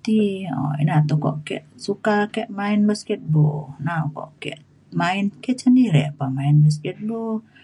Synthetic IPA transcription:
t̪iɔ̰ḭnat̪ukɔ̰ʔkɛ̰ʔsukakɛʔmainbəskɛt̪̚bonawkɔ̰ʔkɛ̰ʔ | mainkɛʔsəndiɾɛʔpamainbəs̬kɛt̪̚bo

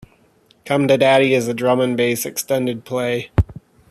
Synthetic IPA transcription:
kʰʌ̃mdɨdæɾiɨzɨdɹʌmə̃nbeɪsɨkstɛ̃ndɨd̚pʰl̥eɪ

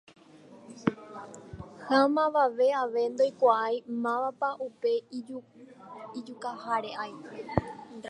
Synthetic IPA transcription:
hamãʋaʋe̞aʋe̞nd̪ojkʷaajmãʋapaʔupe̞ | id͡ʒukahaɾe̞ʔaj

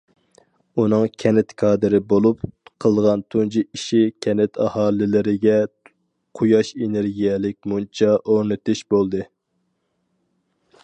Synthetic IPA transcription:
unɨŋkʲʰɛnɪt̪kʰɑːd̪ɨɾɪbolˠupqʰəlˠʁɑnt̪ʰund͡ʒiiʃikʲʰɛnɪt̪ʰɑhɑːlɪlɪɾɪɡʲɛ | qʰujɑʃeneɾɡʲijɛlɪk̚ʲmunt͡ʃʰɑʔoɾnɨt̪ɨʃbolˠd̪ɨ

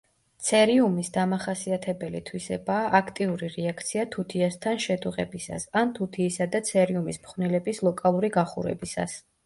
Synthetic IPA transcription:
t̪sʰɛɾiumisd̪amaχasiat̪ʰɛbɛlit̪ʰwisɛ̰baːʔakʰt̪ʼiuɾiɾɛakʰt̪sʰiat̪ʰut̪ʰiast̪ʰanʃɛt̪ʰuʁɛbisa̰sant̪ʰut̪ʰiːsad̪at̪sʰɛɾiumismχvnilɛbislˠɔkʼalˠuɾiɡaχṵɾɛ̰bisa̰s

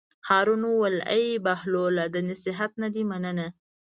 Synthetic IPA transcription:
hɑɾunuwala̰jbahlolad̪ənasɪɦat̪̚nad̪imanəna

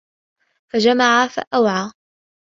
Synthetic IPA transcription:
fad͡ʒamaʕafa̰ʔawʕaː

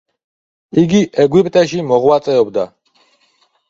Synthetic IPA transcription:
iɡiʔɛɡwipʼt̪ʼɛʃimɔʁwat̪sʼɛɔbd̪a

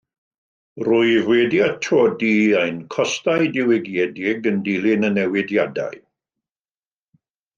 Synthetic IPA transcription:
rʊɨvwedjatʰoːdiajnkʰɔstajdɪwɪɡjɛdɪɡəndilˠɪnənɛwɪdjada̰ɨ

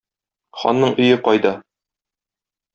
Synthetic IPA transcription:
χɒ̰nːɤɴʔɵ̆jɘqɒjd̪ɑ

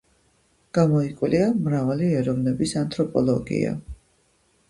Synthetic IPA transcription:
ɡ̥amɔikʼwliamɾavaliɛɾɔvnɛbisant̪ʰʼɾɔpʼɔlˠɔɡḭa̰

